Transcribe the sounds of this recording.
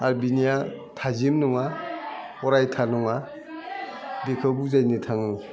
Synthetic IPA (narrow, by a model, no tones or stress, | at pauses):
albinija | tʰazimnɔŋa | ɔɾajtʰanɔŋa | bikʰɯbuzajnitʰaŋɯ